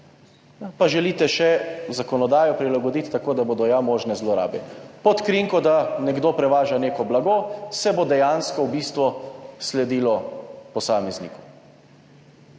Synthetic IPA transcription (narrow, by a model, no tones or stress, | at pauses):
paʒɛliːt̪ɛʃɛzakɔnɔd̪aːjɔpɾilaɡɔd̪it̪t̪akoːd̪abod̪ɔjamoːʒnɛzlɔɾa̰ːbɛpɔt̪kɾiŋkɔd̪anɛɡd̪oːpɾɛʋaːʒaneːkɔblaɡosɛbod̪ɛjanskɔwbiːst̪ʋɔslɛd̪iːlɔpɔsaːmɛznḭːkɔ